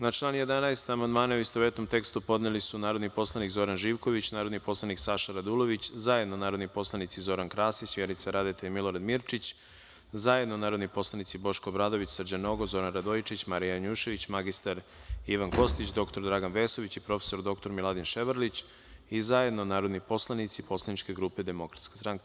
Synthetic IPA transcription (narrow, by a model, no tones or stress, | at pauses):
nat͡ʃlˠaːnije̞d̪anaest̪amand̪maːnauist̪oʋet̪nomt̪e̞kst̪upo̞d̪nelisunaːɾo̞d̪nipo̞slˠanikzo̞ɾanʒiːʋko̞ʋit͡ɕnaːɾo̞d̪nipo̞slˠaniksaʃaɾad̪ulˠo̞ʋit͡ɕzaje̞d̪nonaːɾo̞d̪nipo̞slˠanit̪sizo̞ɾankɾaːsisʋjeɾnit̪saɾad̪et̪emilˠo̞ɾad̪miɾt͡ʃit͡ɕ | zajed̪nonaːɾod̪nipo̞slˠanit̪sibo̞ʃkobɾaːd̪o̞ʋit͡ɕsrd͡ʑano̞ɡozo̞ɾanɾad̪ojt͡ʃit͡ɕmaɾijaɲuːʃe̞ʋit͡ɕmaɡist̪aɾ | iʋanko̞st̪it͡ɕd̪o̞kt̪o̞ɾd̪ɾaɡanʋe̞ːso̞ʋit͡ɕipɾo̞fesoɾd̪o̞k̚t̪o̞ɾmilˠad̪inʃeʋəɾlit͡ɕ | izaje̞d̪nonaːɾod̪nipo̞slˠanit̪sipo̞slˠanit͡ʃke̞ɡɾuːpe̞d̪e̞mo̞kɾat̪skḁst̪ɾaŋke